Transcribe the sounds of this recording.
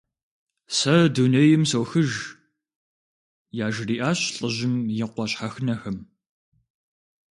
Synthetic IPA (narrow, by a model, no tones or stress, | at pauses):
sɐdunɐjɪmsɐwxɨʒ | jaːʒɪriːʔaːɕɬʼəʑɪmjɪqʷɔɕħaxnɐxɐm